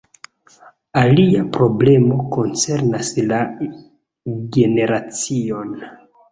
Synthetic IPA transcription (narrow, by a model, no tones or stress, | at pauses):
aliapɾo̞ble̞mo̞ko̞nt͡se̞ɾnasla | ɡe̞ne̞ɾat͡sio̞n